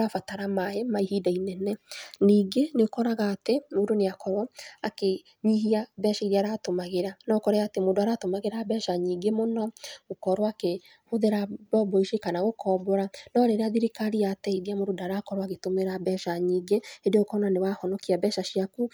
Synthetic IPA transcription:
afataɾamaemaihidainɛnɛniːɡeneokɔɾaɣaːtemodoneakɔɾwɔake | ɲiɦiabɛʃaiɾeaɾatomaɣeɾanɔokɔɾɛaːtemodoaɾatomaɣeɾabɛːʃaɲiːɡemonɔokɔɾwake | hoðeɾabɔbɔiʃekanaɣokʰɔbɔɾanɔɾeɾeaðiɾekaɾiatɛiɾiamododaɾakɔɾwaɣetomeɾabɛʃaɲiːɡeedeokɔnanewahɔnɔkiabɛːʃaʃiaku

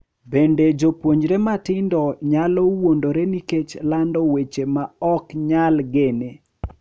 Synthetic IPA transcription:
bended͡ʒopwoɲd͡ʒɾematɪndɔɲalɔwondoɾeniket͡ʃlandɔwet͡ʃemaɔkɲalɡene

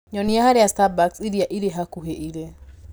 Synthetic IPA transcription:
ɲɔniahaɾeastabaksiɾiaʔiɾeɦakuɦɛiɾe

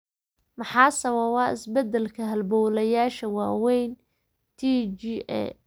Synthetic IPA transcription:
mɑħɑːsɐwɐwɑːʔɪ̰sbɛd̪ɛlkʰɐɦɐlbɔːlɐjaːʃɐwɑːwɛjn | t̪ʰid͡ʒiːʔɛ̰

